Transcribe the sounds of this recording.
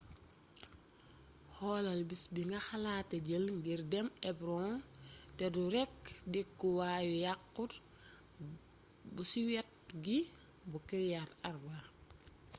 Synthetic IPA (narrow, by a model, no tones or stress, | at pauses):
hɔːlɐlbisbiŋɡɐxɐlaːtːɐɟəlŋɡiɾdɛmɛbɾɔ | tɛduɾɛk̚dikːuwaːjujakːut | busiwɛt̚ | ɡi | bukiɾjatɐrba